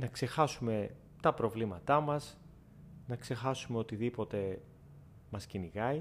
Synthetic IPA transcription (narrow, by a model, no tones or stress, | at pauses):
nɐkse̞xɐsume̞ | t̪ɐpɾo̞vlimɐt̪ɐmɐs | nɐkse̞xɐsume̞o̞t̪iðipo̞t̪e̞ | mɐsciniɣɐi